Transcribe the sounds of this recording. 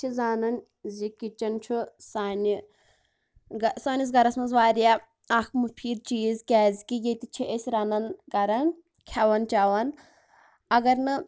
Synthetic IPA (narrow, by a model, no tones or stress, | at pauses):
t͡ʃʰizaːnɐn | zikit͡ʃɐnt͡ʃʰusaːni | ɡɐsaːnis̬ɡɐɾɐsmɐnzʋaːɾija | ɐkʰmɨpʰiːɾt͡ʃiːzkʲɛːzikijet̪it͡ʃʰiʔesʲɾanɐnɡɐɾɐn | kʲʰɐʋɐnt͡ʃaʋɐn | ɐɡɐɾnɨ